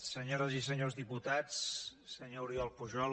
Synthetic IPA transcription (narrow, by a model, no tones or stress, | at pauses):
səɲoɾəzis̬əɲozðiput̪at͡ssəɲouɾiɔlˠpuʒɔl